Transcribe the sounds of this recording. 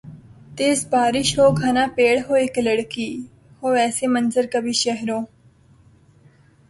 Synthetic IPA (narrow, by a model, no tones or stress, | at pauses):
t̪eːsbaːɾɪʃɦoːɡʱanaːpeːɽɦoːekləɽkiː | hoːʋɛːsemɐnzəɾkɐbʱiʃɛɦɾõː